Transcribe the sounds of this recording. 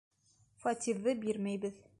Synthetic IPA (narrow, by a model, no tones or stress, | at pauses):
fɐt̪ʲivðɤbiɾmæjbɘð